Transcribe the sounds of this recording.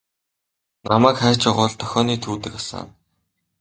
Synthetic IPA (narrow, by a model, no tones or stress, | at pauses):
namæːkχæːt͡ɕaʁʊːɮt̪ʰœ̥xʲɔːniːt̪ʰuːt̪ɘ̆kasa̰ːn